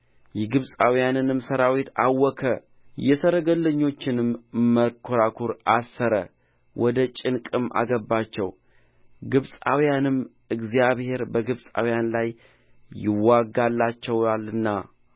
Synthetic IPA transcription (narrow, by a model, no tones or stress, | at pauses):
jɛɡɨβsʼawijanɨnɨmsəɾawit̪ʰawːɔkʰə | jɛsəɾəɡəlːəɲːo̞t͡ʃːɪnɨmːəkʰːoɾakʰuɾasːəɾə | wʔɔd̪ət͡ʃʼɪnkʼɨmʔa̰ɡəbat͡ʃːɛw | ɡɨβsʼa̰wjanɨm | ɨɡzijaβhe̞ɾbəɡɨβsʼa̰wjanlajː | ɪwaɡalːat͡ʃːɛwalɨnːa̰